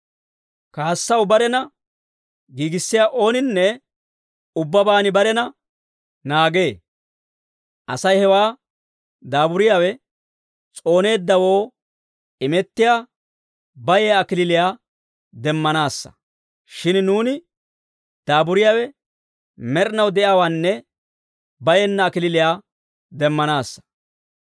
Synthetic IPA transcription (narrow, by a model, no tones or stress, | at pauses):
kaːsːɐwbɐɾɛnɐ | ɡiːɡɪsːɪjaːʔo̞ːnɪnːɛ | ʊbːɐbaːnɪbɐɾɛnɐ | naːɡe̞ː | ʔɐsɐjhɛwaː | d̪aːbʊɾɪjaːwɛ | t͡sʼo̞ːne̞ːd̪ːɐwo̞ː | ɪmɛt̪ːɪjaː | bɐjɛjːkɪlɪlɪjaː | d̪ɛmːɐnaːsːɐ̥̰ | ʃɪnnuːnɪ | d̪̥aːbʊɾɪjaːwɛ | mɛɾnɐwd̪ɛʔjaːwaːnːɛ | bɐjɛnːɐːkɪlɪlɪjaː | d̪ɛmːɐnaːsːɐ̥